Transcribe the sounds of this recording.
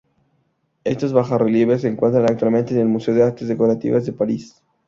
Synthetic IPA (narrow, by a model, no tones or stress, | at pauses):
e̞st̪ozβaxareljeβes̬eŋkwe̞nt̪ɾanakt̪walme̞nt̪ene̞lmuse̞oðeaɾk̚t̪ezðeko̞ɾat̪ḭβazðepaɾis